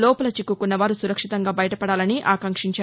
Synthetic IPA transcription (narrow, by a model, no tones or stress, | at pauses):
lɔːpɐlɐt͡ʃikːukunːɐʋaːɾusuɾɐkʂit̪ɐŋɡaːbɐjɐʈɐpɐɽaːlɐniʔaːkɐŋkʂiɲt͡ʃaː